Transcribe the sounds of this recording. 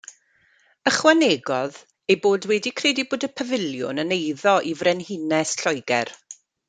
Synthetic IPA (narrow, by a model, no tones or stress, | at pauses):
əχwaneɡɔð | ejboːdwɛdikʰrɛːdiboːdəpʰəvɪljʊ̰nənejðɔʔivrɛnhɪnɛsɬɔjɡɛ̰r